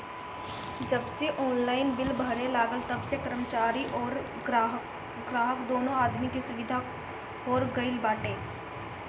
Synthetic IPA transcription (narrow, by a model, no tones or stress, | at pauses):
d͡ʒəbseʔɔːnlaːɪnbɪlbəɽelaːɡəlt̪ɐbsekəɾəmət͡ʃaːɾiʔɔːɾ | ɡɾaːɦəkd̪oːnõaːd̪mikisʊʋɪd̪ʱa | ɔːɾɡəɪlbaːʈẽː